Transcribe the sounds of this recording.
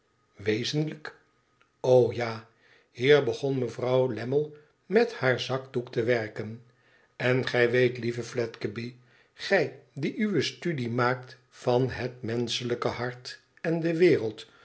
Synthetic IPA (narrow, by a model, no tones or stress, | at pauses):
ʋejzənlək | owjaː | hiːɹbəχɔnməvrɑwlɛməlˠ | mɛthaːɹzɑkduktəʋɛɹkən | ɛnχɛjʋejtlivəflɛtkəbi | χɛjdiʔyʋəstydimaːkt | fɑnɦətmɛnsələkəhɑɹt | ɛndəʋɪːrəlˠt